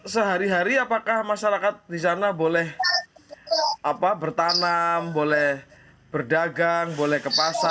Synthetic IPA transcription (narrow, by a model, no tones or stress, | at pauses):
səɦaɾiɦaɾiapakahmaʃaɾakat̪̚dis̬anabolɛh | apabərt̪anambolɛh | b̥ərdaɡaŋbolɛhkəpasa